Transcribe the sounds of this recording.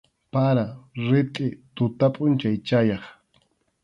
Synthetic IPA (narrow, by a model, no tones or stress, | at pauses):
paɾaɾɪt̪ʼɪt̪ʊt̪apʼʊnt͡ʃajt͡ʃajɑχ